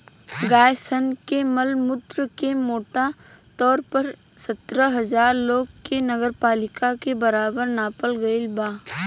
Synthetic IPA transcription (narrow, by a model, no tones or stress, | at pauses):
ɡaːjsənkeməlmʊt̪ɾəkemoːʈa | t̪ɔːɾpəɾsət̪ɾəɦəd͡ʒaːɾloːɡkenəɡəɾpaːlɪkakebəɾaːbəɾnaːpəlɡɐɪlbaː